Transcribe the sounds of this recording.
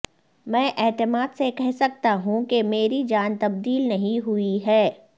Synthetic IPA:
mɛ̃ːʔɛːt̪ɪmaːd̪sekɛɦsɐk̚t̪aɦũkemeːɾid͡ʒaːnt̪ɐb̚d̪iːlnɐɦĩɦʊiɦɛː

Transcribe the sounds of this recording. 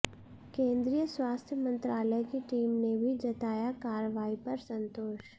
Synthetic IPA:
kẽːnd̪ɾijəswaːst̪ʰjəmə̃nt̪ɾaːləjkiʈiːmnebʱid͡ʒɐt̪aːjakaːɾəʋaːipɐɾsə̃nt̪oːʃ

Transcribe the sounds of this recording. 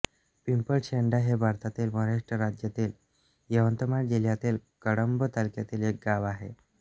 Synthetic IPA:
pimpəlɕeɳɖaɦebʱaɾt̪at̪iːlməɦɾaʂʈɾəɾad͡ʑjat̪iːl | jəʋənt̪əmaɳd͡ʑil̤jat̪iːlkəɽəmbət̪əlkjat̪iːlek̚ɡaʋaɦḛ

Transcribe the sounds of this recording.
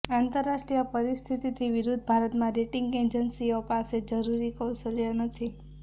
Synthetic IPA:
ãnt̪əɾːaʃʈɾijəpəɾist̪ʰit̪it̪ʰiʋiɾud̪ʱbʱaɾət̪mãɾeʈiŋɡed͡ʒənsiopased͡ʒəɾuɾikəwsəlijənət̪ʰi

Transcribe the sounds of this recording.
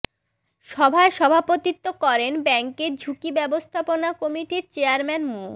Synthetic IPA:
ʃɔbʱaeʃɔbʱapot̪it̪ːokɔɾenbɛŋkeɾd͡ʑʱukibɛbost̪ʰaponakɔmiʈiɾt͡ɕeaɾmɛnmu

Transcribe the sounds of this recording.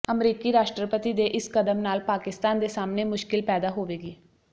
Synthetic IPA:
əmɾiːkiːɾaːʃʈɾəpət̪iːd̪eːʔɪskəd̪əmnaːlpaːkɪst̪aːnd̪eːsaːmneːmʊʃkɪlpɛːd̪aːɦoːʋeːɡiː

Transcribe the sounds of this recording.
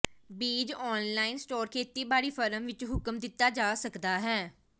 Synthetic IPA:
biːd͡ʒɔːnlaːɪnsʈoːɾkʰeːt̪iːbaːɽiːpʰəɾəmʋɪt͡ʃɦʊkəmd̪ɪt̪ːaːd͡ʒaːsəkd̪aːɦɛː

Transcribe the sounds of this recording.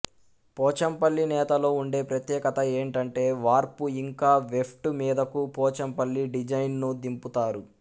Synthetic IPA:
pɔːt͡ʃɐmpɐlːinɛːt̪ɐlo̞ːuɳɖe̞ːpɾɐt̪jɛːkɐt̪ɐe̞ːɳʈɐɳʈe̞ːʋaːɾpuiŋkaːʋepʰʈumiːd̪ɐkupɔːt͡ʃɐmpɐlːiɖid͡ʒɐjnnud̪imput̪aːɾu

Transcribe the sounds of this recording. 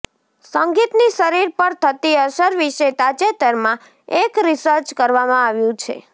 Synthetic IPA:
səŋɡit̪niʃəɾiɾpəɾt̪ʰət̪iəʃəɾʋiʃet̪at͡ʃet̪əɾmã | ekɾisəɾt͡ʃkəɾʋamãaʋjũt͡ʃʰḛ

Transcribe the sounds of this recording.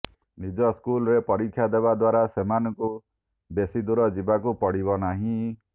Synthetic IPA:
nid͡ʒɔskulɔɾepɔɾikʰːjad̪ebad̪waɾasemanɔŋku | besid̪uɾɔd͡ʒibakupɔɽibɔnaɦĩ

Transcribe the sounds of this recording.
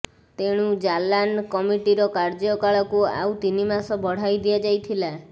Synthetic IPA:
t̪eɽ̃ud͡ʒalankɔmiʈiɾɔkaɾd͡ʒɔkaɭɔkua̰wt̪inimasɔbɔɽ̤ajd̪iad͡ʒajt̪ʰila

